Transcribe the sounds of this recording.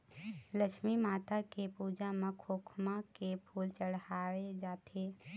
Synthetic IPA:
ləkʃmimaːt̪akepuːd͡ʒamẽkʰoːkʰmakepʰuːlt͡ʃəɽhaːed͡ʒaːt̪ʰe

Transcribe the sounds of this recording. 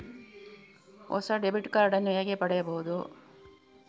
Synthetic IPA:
ɔ̰sɐɖebiʈkaːɾɖɐnːujɐɡepɐɽɛjɐbɐɦud̪u

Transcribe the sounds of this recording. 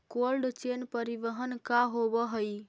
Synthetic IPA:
kolɖt͡ʃenpəɾiʋəɦənkaɦobəɦəj

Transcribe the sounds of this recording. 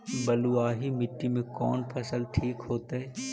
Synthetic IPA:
bɐluaːɦimɪʈːimẽkɔːnpʰɐsəlʈʰiːkɦoːt̪aɦɛː

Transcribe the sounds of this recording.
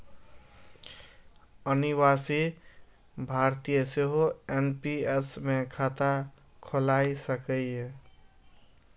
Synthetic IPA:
əniβasi | bʱaɾt̪ijəseɦoenpiesmekʰat̪a | kʰolajsəkəe

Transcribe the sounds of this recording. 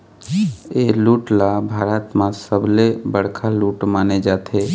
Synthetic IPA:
eːluːʈlabʱaːɾət̪mãsəblebəɽ̤kʰaluːʈmaːned͡ʒaːt̪ʰe

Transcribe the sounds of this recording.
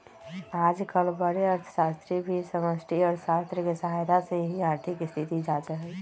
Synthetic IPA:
ad͡ʒkəlbəɾeəɾt̪ʰə̥sast̪ɾibʱisəməsʈʰiɔɾsast̪ɾəkesəɦajd̪aseɦiaɾt̪ʰikɪst̪ʰit̪id͡ʒad͡ʒəɦɛ

